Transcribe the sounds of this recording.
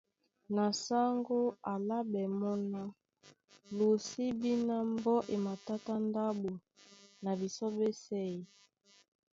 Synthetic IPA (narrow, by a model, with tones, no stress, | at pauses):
na˨sa˦ŋɡo˦a˨la˦bɛ˨mɔ˦na˦ | lu˨si˦bi˦na˦mbɔ˦ʔe˨ma˨ta˦ta˦nda˦bo˨na˨bi˨sɔ˦be˦sɛ˦i˨